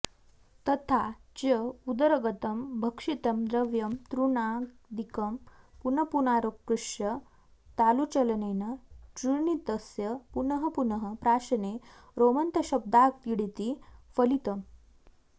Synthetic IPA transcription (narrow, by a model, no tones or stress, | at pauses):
t̪ɐt̪ʰat͡ɕəud̪əɾəɡət̪əmbʱəkʂit̪əmd̪ɾəʋjɐmt̪ɾuɳak | d̪ikəmpunɐpunaɾukkːɾuʂjɐ | t̪alut͡ɕɐlənenət͡ɕuɾnit̪əsjəpunəɦəpunəɦəpɾaːɕɐne | ɾomənt̪əɕɐb̚d̪ak̚t̪iɽit̪ifəlit̪əm